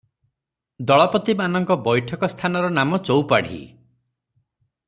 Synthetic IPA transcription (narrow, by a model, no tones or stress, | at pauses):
d̪ɔɭɔpɔt̪imanɔŋkɔbɔjʈʰɔkɔst̪ʰanɔɾɔnamɔt͡ʃowpaɽ̤ḭ